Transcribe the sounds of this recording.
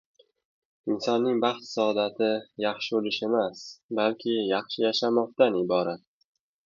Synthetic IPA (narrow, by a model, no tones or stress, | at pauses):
ɪnsɒnːɪŋbɑχt̪sɒɒd̪at̪ʰɪjɑχʃɪbolɪʃe̞masbalkʲʰɪjɑχʃɪjaʃamɒq̚t̪ʰanɪbɒɾat̪̚